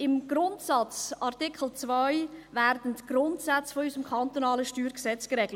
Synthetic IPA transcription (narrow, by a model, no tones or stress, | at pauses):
ɪmɡ̥ɾʊntsɑt͡sɑrtɪkχəl̩ˠt͡svœɪvæɾdən̩tɡ̥rʊntsat͡sfɔysəmkʰɑnt̪onɑːləʃtyːɾksɛt͡skɾɛɡlə